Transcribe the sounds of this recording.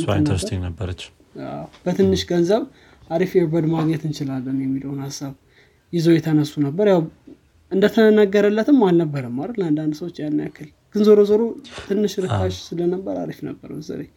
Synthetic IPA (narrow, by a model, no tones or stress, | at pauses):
nəɾstinəbːəɾət͡ʃː | a̰b̥ət̪ʰɨnːɨʃɡənzəβ | ʔaɾifɛbəd̪maɡɲɛt̪ɨnt͡ʃɪlalːənjɛmːiləwnhasːaβ | jɪzojɛt̪ʰənəsːunəbːəɾjaw | ɨnd̪ət̪ʰənəɡəɾəlːət̪ɨmːalnəbːəɾəmːaɾəland̪and̪səwot͡ʃːjanːa̰kʰːɨl | ɡ̥ɨnzoɾozoɾot̪ʰɨnːɨʃɾɨkːat͡ʃːsɨlənəbːəɾa̰ɾifnə̰bːə̰ɾmzə̰ɾe